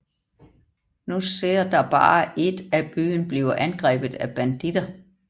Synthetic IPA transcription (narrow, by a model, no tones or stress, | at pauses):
nuseɐ̰d̥ɑ̈b̥ɑ̈ːʔe̝d̥æb̥y̰ːnb̥liːʊɐʔænɡ̥ʁɛ̰ːb̥ð̩ˠæb̥ænd̥id̥ɐ